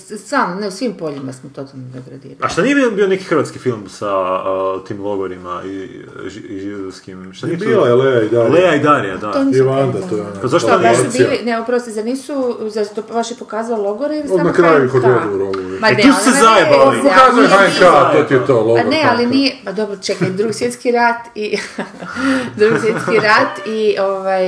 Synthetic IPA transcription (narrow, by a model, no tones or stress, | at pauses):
saːmneusʋimpoʎimasmot̪o̞t̪alnod̪oɡɾad̪ḭːɾaaʃt̪anijebibio̞neki̥xɾʋat̪skifilˠmsat̪iːmlˠo̞ɡoɾima̰iʒiʒid̪oskimʃt̪anijebilelejaid̪alejaid̪aɾiad̪aoniʋand̪at̪ojɛonpazaʃt̪onːsubilineupɾaʋost̪ezaniːsuzat̪oʋaʃjepokaːzallˠoɡoɾeilsoanakɾajuikod̪od̪iuɾoɡʋimanussezaeiokaːzujeɦaɲekaot̪iet̪oːlˠoanealiniepad̪o̞bɾot͡ʃekajd̪ɾuɡisjet̪skiɾat̪i | d̪ɾuɡisʋjeiɾat̪ioʋaj